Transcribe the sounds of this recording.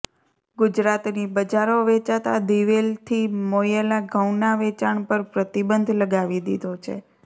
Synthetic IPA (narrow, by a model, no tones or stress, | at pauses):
ɡʊd͡ʒɾat̪nibəd͡ʒaɾoʋet͡ʃat̪a̰d̪iʋelt̪ʰimojəlaɡʱəwnaʋet͡ʃaɳpəɾpɾət̪ibənd̪ʱləɡaʋid̪id̪ʱot͡ʃʰḛ